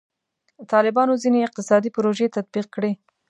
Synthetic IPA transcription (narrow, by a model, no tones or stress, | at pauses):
t̪ɑlɪbɑnozineɪq̚t̪ɪsɑd̪ipʊɾoʒet̪ad̪̚biq̚kɽe